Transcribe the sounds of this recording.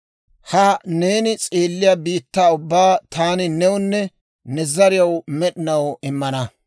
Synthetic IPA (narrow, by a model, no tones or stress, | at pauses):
hɐne̞ːnɪt͡sʼeːlːɪjabiːt̪ːaːʊbːaːt̪aːnɪnɛwʊnːɛ | nɛzɐɾɪjɐwmɛɗɪnɐwɪmːɐnɐ